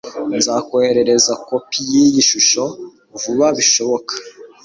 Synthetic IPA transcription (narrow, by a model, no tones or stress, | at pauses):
nzaːkoheɾe̞ɾe̞zakopʰijijiʃuʃo̞ | vuβaβiʃo̞βo̞kḁ